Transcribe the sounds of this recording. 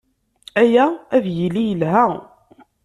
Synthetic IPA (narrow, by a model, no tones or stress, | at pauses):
æjææðjilːijəlɦæ